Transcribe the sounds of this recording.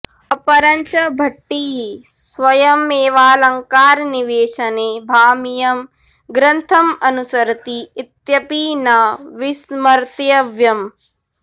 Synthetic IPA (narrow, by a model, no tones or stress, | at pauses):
ɐpɐɾɐɲt͡ʃɐbʱɐʈːiɦisʋɐjɐmeːʋaːlɐŋkaːɾniʋeːʃɐneːbʱaːmijɐm | ɡɾɐnt̪ʰɐmɐnusɐɾt̪iːt̪jɐpiːnɐʋismɐɾt̪jɐʋjɐm